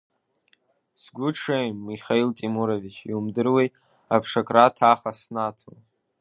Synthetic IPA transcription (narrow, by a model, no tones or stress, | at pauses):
sɡʷʊʈ͡ʂʰejmːiχajltʼimuɾovit͡ʃʰiumdɨrwej | apʰʂakʼratʰaχasnatʰo̰